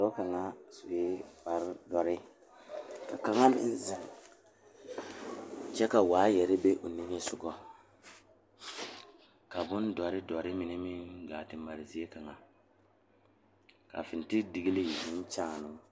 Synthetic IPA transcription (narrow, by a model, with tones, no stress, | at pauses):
ɾɔ˦ka˨ŋa˦sʊ˨e˦ba˨ɾdɔ˨ɾɪ˦ | ka̰˨ka˨ŋa˦mɪ̰˨n˦zɛ˨ŋ˨ | t͡ʃɛ˦ka˨waː˨˦jɛ˨ɾɪ˦be˦ʔo˨ni˦ŋ˦e˦sʊ˨ɡɔ˦ | ka˨bʊ˦ndɔ˨ɾɪ˦dɔ˨ɾɪ˦mɪ˨nɪ˦mɪ˦ɡaː˨tɪ˨mba˨ɾɪ˨zi˦e˦ka˨ŋa˨ | ka̰˨fɪ˨n˨tɪ˦di˨ɡi˦li˦˨mɪ˦n˦t͡ʃaː˨nʊ˦